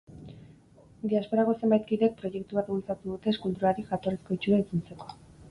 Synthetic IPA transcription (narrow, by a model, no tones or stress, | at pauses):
d̪iaspo̞ɾaɣose̞mbajt̪kiðek̚pɾo̞ʝe̞kt̪uβat̪bult͡sat̪uðut̪e̞ːskult̪uɾaɾiʝat̪o̞resko̞it͡ʃuɾat͡sunt͡se̞ko̞̥